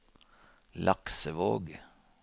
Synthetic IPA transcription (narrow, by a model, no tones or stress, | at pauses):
lʔɑksəʋoːɡ